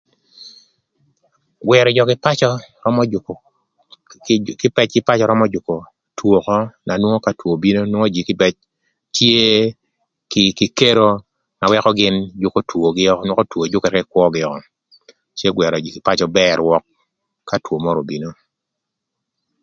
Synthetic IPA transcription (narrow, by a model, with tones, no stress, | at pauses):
ɡwɛ˨ɾɔ˨d͡ʒɔ˨kɪ˨pa˦t͡ʃɔ˦ɾɔ˦mɔ˦˨ | kɪ˦pɛ˦t͡ʃkɪ˦pa˦t͡ʃɔ˦ɾɔ˦mɔ˦d͡ʒʊ˨ko˨ | two˨kɔ˦na˨nwo˦ŋo˦ka˦two˨bi˦no˦nwo˦ŋo˦d͡ʒi˨kɪ˦pɛ˦t͡ʃ | tje˦ | kɪkɪ˦ke˦ɾo˦ | na˨wɛ˦kɔ˦ɡɪ˦nd͡ʒʊ˦ko˦two˨ɡɪ˦nwo˦ko˦two˨d͡ʒʊ˦kɛ˨ɾkɛ˦kwɔ˦ɡɪ˨ɔ˨kɔ˦ | t͡ʃje˦ɡwɛ˨ɾɔ˨d͡ʒi˨kɪ˨pa˦t͡ʃɔ˦bɛ˦ɾwɔ˦kː | a˦two˨mɔ˦ɾo˨bi˨no˦